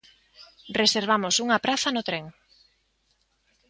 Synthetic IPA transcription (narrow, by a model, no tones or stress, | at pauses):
reseɾβ̞amʊsuŋɐpɾaθɐnʊt̪ɾeŋ